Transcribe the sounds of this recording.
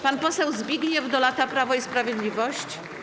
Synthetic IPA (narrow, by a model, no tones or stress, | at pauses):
panpɔsɛwzbʲjiɡɲɛvd̪ɔlat̪apɾavɔispɾavʲjed̪lʲivɔɕt͡ɕ